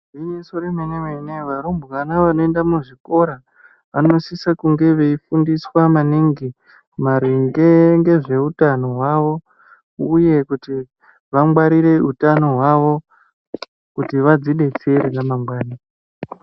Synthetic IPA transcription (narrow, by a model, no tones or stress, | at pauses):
inesoɾemenemeneʋaɾumbukanaʋano̞e̞ndamuʐiko̞ɾa | ʋano̞sisakuŋɡe̞ʋe̞ifundiswamaniŋɡi | maɾiŋɡeŋɡe̞ʐe̞utano̞ɦwaʋo̞ | uje̞kuti | ʋaŋɡwaɾiɾe̞utano̞ɦwaʋo̞ | kutiʋad͡ziɗe̞t͡sieɾid͡zamaŋɡwaːna